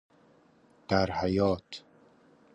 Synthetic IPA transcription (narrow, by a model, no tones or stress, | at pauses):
d̪̥æɾhæjɒːt̪ʰ